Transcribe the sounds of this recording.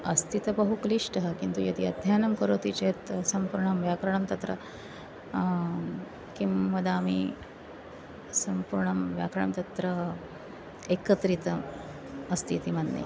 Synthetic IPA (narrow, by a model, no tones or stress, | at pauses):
ɐst̪ʰit̪bəɦukliʂʈəɦəkint̪ujɐd̪iɐd̪ʱjanɐmkəɾot̪it͡ɕet̪sɐmpuɾɳɐmʋjakɾɐɳɐmt̪ɐt̪ɾə̰ | kimːɐd̪amḭ | sɐmpuɾɳɐmʋja̰kɾɐɳɐmt̪ɐt̪ɾə | ekət̪ɾit̪ə | ɐst̪ʰit̪imɐd̪nḛj